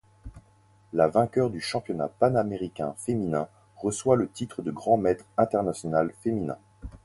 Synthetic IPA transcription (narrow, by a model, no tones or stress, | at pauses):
lavɛ̃kʲœʁd̪yʃɑ̃pjɔna̰panameʁikʲɛ̰̃feminɛ̃ | ʁəswalət̪it̪χəd̪əɡʁɑ̃mɛt̪χɛ̃t̪ɛʁnasjɔnalfeminɛ̰̃